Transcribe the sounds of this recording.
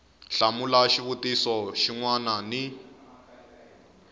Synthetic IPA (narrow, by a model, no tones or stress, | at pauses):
ɬamulaʃiβutisɔʃiŋwanani